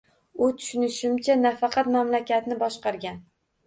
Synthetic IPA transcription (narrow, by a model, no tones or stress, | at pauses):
ʊt̪ʰʊ̥ʃɪnɪʃɪmt͡ʃʰanafɑqʰɑt̪mamlakʲat̪nɪbɒʃqɑɾɡʲan